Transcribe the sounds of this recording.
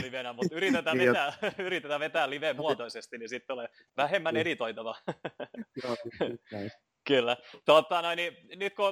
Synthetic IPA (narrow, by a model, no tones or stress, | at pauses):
liʋenæmut̪yɾit̪et̪æːʋet̪æːyɾit̪et̪æːʋet̪æːlliʋemmuɑt̪oisest̪inisit̪ːole | ʋæhemːæneɾit̪oit̪ɑʋɑ | kylːæt̪oːt̪ːɑːˑnoininyt̪̚ko